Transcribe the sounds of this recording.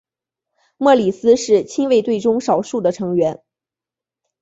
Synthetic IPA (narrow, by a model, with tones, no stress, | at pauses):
mwɤ˥˩li˨˩sɹ̩˥ʂɻ̩˥˩t͡ɕʰi˥nwe˥˧ɪt̪we˥˩ɪʈ͡ʂʊ˥ŋʂɑ˨˩ʊʂu˥˩d̪ə˩ʈ͡ʂʰɤ˧˥ŋɥɛ˧˥n